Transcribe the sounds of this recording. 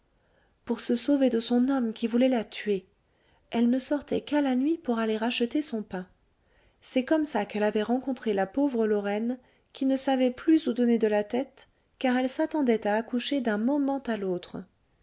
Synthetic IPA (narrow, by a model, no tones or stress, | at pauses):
puʁsəsoved̪əsɔ̃nɔmkʲivulɛlat̪ɥe | ɛlnəsɔʁt̪ɛ̰kalanɥipuʁaleʁaʃət̪esɔ̃pɛ̃ | sɛkɔmsakɛlavɛʁɑ̃kɔ̃t̪χelapovʁəlɔʁɛn | kʲinəsavɛplyzud̪ɔned̪əlat̪ɛt̪ | kaʁɛlsat̪ɑ̃d̪ɛt̪aːkuʃed̪ɛ̃mɔmɑ̃t̪alot̪χ